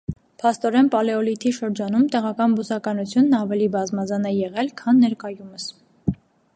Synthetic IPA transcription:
pʰɑst̪ɔɾɛnpɑlɛɔlit̪ʰiʃəɾd͡ʒɑnumt̪ɛʁɑkɑnbusɑkɑnut͡sʰjunːɑvɛlibɑzmɑzɑnɛjɛʁɛlkʰɑnːɛɾkɑjuməs

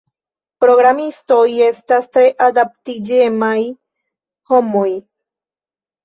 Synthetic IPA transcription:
pɾo̞ɡɾamist̪oje̞st̪ast̪ɾeʔad̪ap̚t̪id͡ʒemaj | homoj

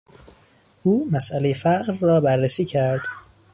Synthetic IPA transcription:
ʔuːmæsʔælejefæɢɾːɒːbæɾːesiːcʰæɾd̪̥

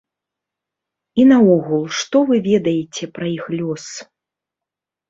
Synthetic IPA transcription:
inɐɔɣulˠʂt̪ɔvɨvʲɛd̪ɐjɛt͡sʲɛpɾɐixlʲɔs

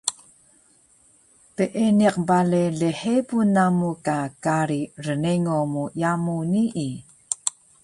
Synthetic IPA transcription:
peʔeniq̚baleɮeħepunːamukakaɾirəneŋomujamuniʔi

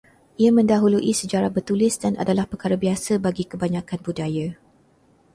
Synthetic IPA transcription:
ʔiamə̃ndaɦuluʔisəd͡ʒaɾabərt̪ulɪsdanʔa̰dalahpəkaɾabiasabaɡikəbaɲãkanbudaja

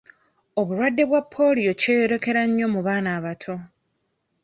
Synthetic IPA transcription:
o̞βuɾwadːe̞βwapʰːo̞ːlio̞ce̞ːjoɾe̞ke̞ɾaɲːo̞muβaːnaːβatʰo̞

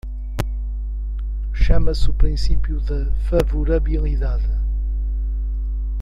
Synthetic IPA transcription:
ʃamɐsupɾĩsipjuðɐfɐvuɾɐβilˠiðaðɨ

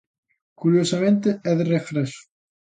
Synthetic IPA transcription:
kuɾjosamẽnt̪̬eɛðrefɾɛsu̥

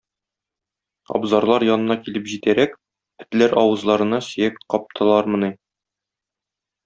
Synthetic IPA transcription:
ɒ̰bzɑɾlˠɑɾjɒnɤ̆nɑkilɘpʑit̪æɾæk | pɘ̥̆t̪læɾɒwɤ̆zlˠɑɾɤ̆nɑsɘ̆jækqɒp̚t̪ʰɤ̆lˠɑɾmɤ̆ni

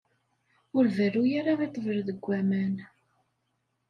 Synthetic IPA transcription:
ʊɾvərːujaɾaðit̪ˤːəvəɾðəɡʷːæmæn

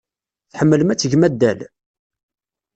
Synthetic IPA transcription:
θħəmːələmæt͡sːəʝmæd̪ːæl

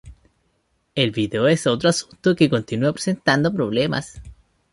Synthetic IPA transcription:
elβiðeoeso̞t̪ɾoasu̥nt̪okeko̞nt̪inuapɾese̞nt̪and̪opɾoβlema̰s

